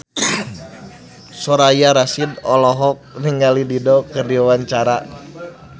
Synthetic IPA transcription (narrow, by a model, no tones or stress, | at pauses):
sɔɾajaɾasidɔlɔɦɔk̚niŋalididɔkərdiwawaɲt͡ʃaɾa